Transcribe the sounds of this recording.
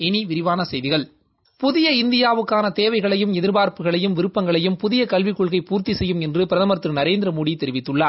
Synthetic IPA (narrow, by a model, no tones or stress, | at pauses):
ɛniʋɪɾɪʋaːnɐsɛjðɪɣɐɭ | pʊðɪjɐɪnd̪ɪjaːʋɯkːaːnɐt̪eːʋɐɪɣɐɭɐjɯmɛðɪɾbaːɾpɯɣɐɭɐjɯmʋɪɾɯpːɐŋɡɐɭɐjɯmpʊðɪjɐkɐlʋɪkːɔɭɣɐɪpuːɾt̪isɛjːɯmɛndrɯpɪɾɐðɐmɐɾt̪ɾɯnɐɾeːnd̪ɪɾɐmoːɽijt̪ːɛɾɪʋɪt̪ːɯɭːaː